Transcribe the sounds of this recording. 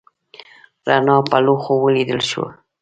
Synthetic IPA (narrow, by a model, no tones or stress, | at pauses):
ɾanɑpaloxowəlid̪əlʃwa̰